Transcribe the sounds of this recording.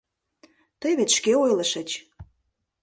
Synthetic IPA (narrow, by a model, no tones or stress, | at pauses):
t̪əjβet̪ʃkeojləʃə̆t͡ɕ